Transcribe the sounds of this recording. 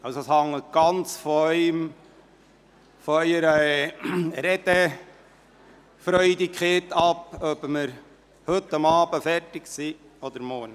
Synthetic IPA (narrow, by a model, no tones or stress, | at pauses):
ɑwsoshɑŋːətɡ̥ɑnt͡sfɔœʏm | fɔœʏəɾə | ɾɛd̪̥ə | fɾœʏdikχeːt̪ɑpœbməɾ | hɵtːɑmɑːbəfɛrtɪksi | ɔd̪əɾmɔɾn